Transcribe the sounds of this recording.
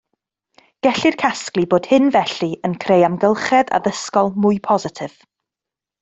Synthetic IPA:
ɡ̥ɛɬɪrkʰasklˠiboːd̥hɪnvɛɬiənkʰrejamɡəlˠχɛda̰ðəskɔlˠmʊɨpʰɔzɪtʰɪv̥

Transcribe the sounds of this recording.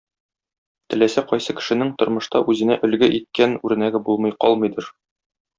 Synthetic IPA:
t̪ɘ̆læsæqɒjsɤkɘ̥̆ʃɘ̆nɘŋt̪ŏɾmɤ̆ʃt̪ɑʔʉzɘ̆næʔɵ̆lɡɘʔit̪̚kænʉɾɘ̆næɡɘbulˠmɤ̆jqɒ̰lˠmɤ̆jd̪ɤɾ

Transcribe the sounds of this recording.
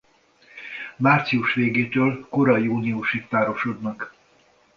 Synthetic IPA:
maːrt̪siuʃʋeːɡeːt̪øːlkoɾɒjuːniuʃikp̪aːɾo̞ʃo̞d̪nɒk

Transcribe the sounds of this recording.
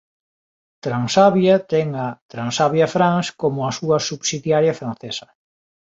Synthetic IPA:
t̪ɾansaβjɐt̪ɛŋat̪ɾansaβjɐfɾaŋskomʊɐsuɐsuβsiðjaɾjafɾãnθesɐ

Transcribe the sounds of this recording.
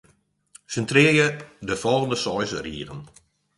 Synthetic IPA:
səntrɪəjədəfɔlˠɣəndəsɔjsriəʁən

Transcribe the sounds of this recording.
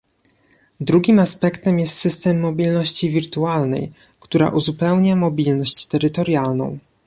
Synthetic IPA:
d̪ɾuɡʲimaspɛkt̪ɛmjɛst̪sɘst̪ɛmːɔbʲilnɔɕt͡ɕivʲiɾt̪ualnɛ̰j | kt̪uɾa̰ʔuzupɛwɲamɔbʲilnɔɕt͡ɕt̪ɛɾɘt̪ɔɾjalnɔ̰̃w̃

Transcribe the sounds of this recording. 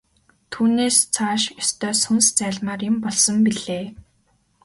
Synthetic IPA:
t̪ʰuːneːst͡sʰaːʃɔst̪ʰœːsɵnst͡sæːɮmaːrɪ̆mpɔɮsɞ̆mpiɮeː

